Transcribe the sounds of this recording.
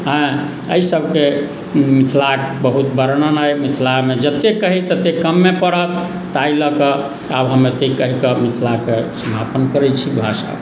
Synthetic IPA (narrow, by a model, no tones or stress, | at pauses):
ɦə̃ | əisəbʱke | mit̪ʰlakbəɦut̪bəɾənənəjmit̪ʰlamed͡ʒət̪ːekəɦit̪ət̪ekəmːepəɽət̪ː | ailəkə | abɦəmːet̪ekəɦikəmit̪ʰlakesəmapənkəɾɛt͡ʃʰibʱaʃa̰